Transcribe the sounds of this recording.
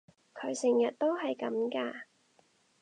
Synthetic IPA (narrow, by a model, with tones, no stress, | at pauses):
kʰɵ˨˧˥ɥsɪ˨˩ŋjɐ˨t̚t̪o˥wɦɐ˨jkɐ˨˧˥mkaː˧